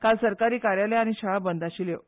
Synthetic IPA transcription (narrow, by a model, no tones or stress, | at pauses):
kalsəɾkaɾiːkaɾjaleaɽ̃iɕaɭabənd̪aɕiːlje